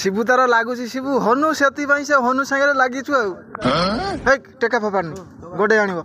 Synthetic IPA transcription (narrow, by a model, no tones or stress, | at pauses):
sibut̪aɾɔlaɡut͡ʃʰisibuɦɔnuset̪ipaĩseɦɔnusãŋɾelaɡit͡ʃʰuew | ɦejkʈekapʰɔpaɾni | ɡɔɖeaɽ̃ibɔ